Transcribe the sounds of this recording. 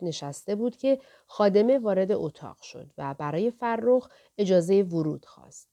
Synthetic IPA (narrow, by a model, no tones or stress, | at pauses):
ne̞ʃæst̪e̞buːd̪̥cʲʰe̞ | xɒːd̪e̞me̞vɒːɾe̞d̪e̞ʔot̪ʰɒ̰ːʁ̥ʃo̞̰d̪væbæɾɒːje̞færːox | e̞d͡ʒɒːze̞jevoɾuːd̪̥xɒ̰ːst̪̚